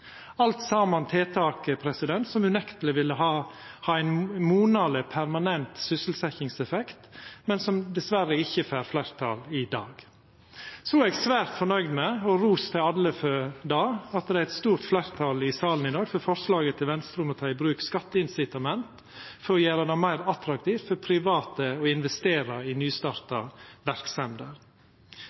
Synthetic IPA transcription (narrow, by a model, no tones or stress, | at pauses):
ɑlt̪sɑːmɑnt̪ʰeːt̪ʰɑːkəpʰɾɛsɪd̪ɛnt̪sɔmʉnɛkt̪əlɪʋɪlːəɦɑːhɑːæɪnmuːnɑləpʰæɾmɑnɛnt̪sʏsəl̩sɛçɪŋsɛfɛkt̪mɛnsɔmd̪ɛsʋæɾːəɪçːəfæːɾflæɾt̪ʰɑ̰lɪd̪ɑ̰ːɡ̥ | sɔɛːɡsʋæːɾt̪fɔɳnœʏd̪mɛɔɾuːst̪ʰɪɑlːəfød̪ɑːɑt̪̚d̪ɛæɾɛt̪st̪uːɾt̪flæɪɾt̪ʰɑlɪsɑːlən̩ɪd̪ɑːɡfɔɾfɔɾslɑːɡət̪ʰɪlʋɛnst̪ɾʉːmɔt̪ʰɑːɪbɾʉːkskɑt̪ːəɪnsɪt̪ɑmɛnt̪ | fɔɾɔjæːɾɑd̪ɛmmæɪɾɑt̪ɾɑk̚t̪ʰiːft̪fɔɾpʰɾɪʋɑːt̪əɔɪnʋɛst̪eːɾɑɪnyːst̪ɑːɾt̪ɑʋæɾksɛnd̪əɾ